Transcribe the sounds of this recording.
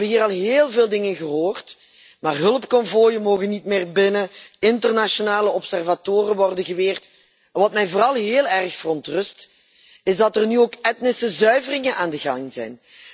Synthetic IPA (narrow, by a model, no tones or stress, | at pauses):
bəɦiːɾɑlˠɦeːlˠveːlˠdɪŋənɣəɦoːrt | maːrɦɵlˠəpkɔmvojənmoːɣənːitmɪːrbɪnəɪntərnaʃonaːləɔpsɛrvatoːrənʋɔrdənɣəʋeːrt | ʋɑtmɛjvoːrɑlˠɦeːlˠɛrxfərɔntrɵst | ɪzdɑtərnyoːkɛtnɪsəzœɥvərɪŋənʔaːndəɣɑŋzɛ̰jn